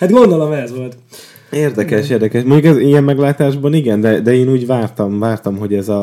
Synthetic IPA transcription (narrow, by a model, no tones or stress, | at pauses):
hat̪ɡond̪olɒmɛzʋolt̪ | eːrd̪ɛkɛʃeːrd̪ɛkɛʃmoɲɟukɛzijɛmːɛɡlaːt̪aːʒbɒniɡɛnd̪ɛd̪ɛeːnuːɟvaːrt̪ɒmvaːrt̪ɒmɦo̞ɟɛzɒ